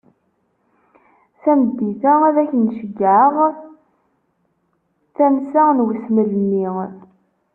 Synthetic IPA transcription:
θæməd̪ːiθææðæçənʃəɡʕəʁ | θæmsænwəsməlni

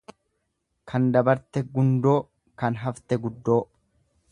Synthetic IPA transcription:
kʰɐnd̪ɐbɐɾt̪ɛɡʊnd̪o̞ː | kɐnɦɐft̪ɛɡʊd̪ːo̞ː

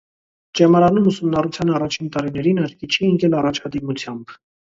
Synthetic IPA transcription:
d͡ʒɛmɑɾɑnumusumnɑrut͡sʰjɑnɑrɑt͡ʃʰint̪ɑɾinɛɾinəɾkit͡ʃʰiːŋkɛlɑrɑt͡ʃʰɑd̪imut͡sʰjɑmb

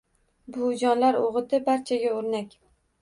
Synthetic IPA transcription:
bʊd͡ʒɒnlaɾoʁɨt̪ʰɪbaɾt͡ʃʰaɡʲaoɾnakʲ

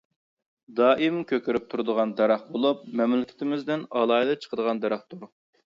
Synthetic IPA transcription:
d̪ɑːʔimkʲʰøkʲyɾyp̚t̪ʰuɾd̪əʁɑnd̪ɛɾɑχbolˠup̚mɛmlɪkʲʰɪ̥t̪ʰɪmɪzd̪ɪnɑlˠɑːid̪ɨt͡ʃʰə̥qʰəd̪əʁɑnd̪ɛɾɑχt̪ʰuɾ

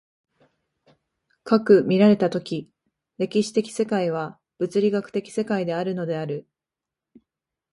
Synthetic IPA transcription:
kakɯ̟mʲiɾaɾe̞t̪at̪o̞kʲi | ɾe̞kʲiɕi̥t̪e̞kʲi̥se̞kaiβ̞a | b̥ɯ̟t͡sɨɾʲiɡakɯ̟̥t̪e̞kʲi̥se̞kaid̪e̞aɾɯ̟no̞d̪e̞aɾɯ̟

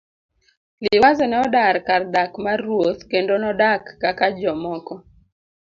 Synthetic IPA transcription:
lɪwazɔnɛɔdarkard̪akmarwot̪kendonɔdakːakad͡ʒɔmɔkɔ

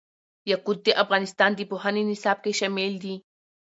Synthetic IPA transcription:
jakut̪ːiʔafɡanist̪aːnt̪̬ipoɦaninisap̚keʃemilt̪i

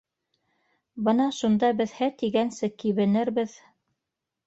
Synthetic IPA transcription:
bɤnɑʃund̪ɑbɘðhæt̪iɡænsɘkiβɘ̆nɘɾbɘð

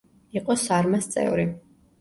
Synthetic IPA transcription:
iqʼɔsaɾmast̪sʼɛ̰vɾi

